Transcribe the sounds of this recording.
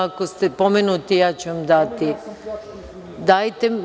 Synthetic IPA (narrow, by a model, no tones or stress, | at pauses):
ako̞st̪epo̞menut̪ijaːt͡ɕuʋamd̪at̪i | d̪ajt̪e